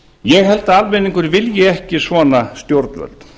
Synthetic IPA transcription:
jɛɣhɛlt̪aalmɛniŋkʏɾvɪljɪɛhcɪsvɔːnast̪jowɾt̪nvœ̰lt̪

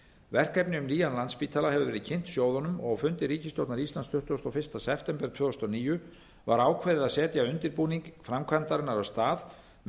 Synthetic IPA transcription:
vɛr̥kɛpnɪʏmniːjanlanspiːt̪ʰalaɦɛvʏvɛːɾɪðcʰɪn̥t̪sjoːwðɔnʏmɔɣfʏnt̪ɪɾiːcɪst̪jowt̪naɾist̪lanst̪ʰʏht̪ʏɔst̪ɔfɪrst̪asɛft̪ɛmpɛɾ̥t̪ʰvœːʏst̪ɔniːjʏ | vaɾaːwkʰvɛːðɪðaðsɛːt̪jaʏnt̪ɪɾpuːniŋkfɾamkʰvant̪aɾɪnːaɾavst̪aːð | m

